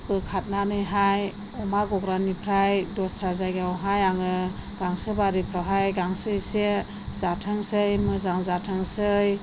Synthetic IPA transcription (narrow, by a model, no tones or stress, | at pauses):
pɯkʰat̚nanɯjɦaj | ɔmaɡɔɡɾanipʰɾajdɔstʰɾazajɡawɦajaŋɯ | ɡ̥aŋsɯbaɾipʰɾɔɦajɡaŋsɯjse | zatʰɯŋsɯjmɯzaŋzatʰɯŋsɯj